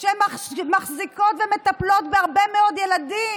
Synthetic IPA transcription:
ʃemamaχziko̞t̪vemet̪aplo̞t̪beaʁbemeod̪jelad̪i

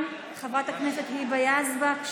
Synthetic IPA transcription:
m | χavʁat̪haknɛset̪hibajazba

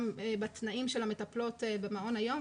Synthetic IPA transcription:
mebat̪naʔimʃelametaplo̞t̪ebemaʔo̞najo̞

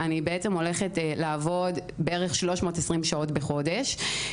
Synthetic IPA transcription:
ʔanibeet͡se̞mo̞le̞χetlaːvo̞dbeeʁeχʃlo̞ʃmo̞ːtesʁimʃao̞tbeχo̞de̞ʃ

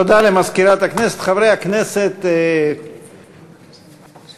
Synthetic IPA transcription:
od̪alemazkiɾat̪hakneset̪χavɾejakneset̪

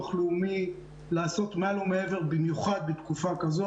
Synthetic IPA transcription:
χluːmi | laːso̞t̪malumee̞ve̞ʁbimjuχad̪̚bet̪kufakazo

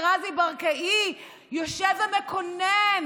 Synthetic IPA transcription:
ʁazibaʁkaʔi | joʃevamekonen

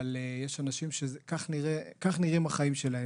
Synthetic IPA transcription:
alejeʃanaʃimʃezkaχniʁekaχniʁimaχaimʃe̞lae

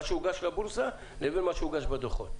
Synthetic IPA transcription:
t͡ʃʰuuɡaʃlabuɾza | lɛbɛlmat͡ʃʰuuɡaʃbad̪ɔχɔ

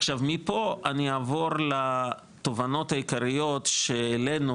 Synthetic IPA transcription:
χʃavmipo̞aniaːvo̞ʁla | t̪o̞vano̞thajikaʁijo̞tʃeːle̞nu

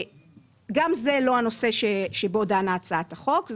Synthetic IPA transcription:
ɡamze̞lo̞ano̞se̞ʃeʃebo̞daːnaːt͡saat̪aχo̞kz

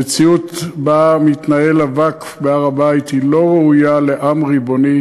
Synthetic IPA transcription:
et͡siut̪bamit̪naelavakfbeaʁabait̪hilo̞ʁeujaleʔamʁibo̞ni

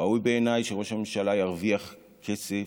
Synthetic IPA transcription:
aujbe̞ːnajʃeʁo̞ʃamemʃalajaʁviaχ | kʰe̞se

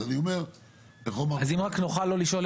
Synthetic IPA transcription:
aniomeʁ | t̪aχolmaazimʁaknuχalːo̞liʃo̞l

